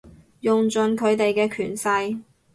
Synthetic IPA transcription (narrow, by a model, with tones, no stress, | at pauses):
jʊ˨ŋt͡ʃɵ˨˧nkʰɵ˨˧ɥt̪e˨jkɛː˧kʰyː˨˩nsɐ˧j